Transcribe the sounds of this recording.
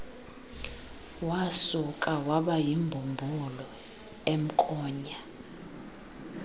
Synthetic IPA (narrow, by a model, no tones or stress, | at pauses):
wasukʼawaɓajimbʱumbʱulɔ | em̩kʼɔːɲa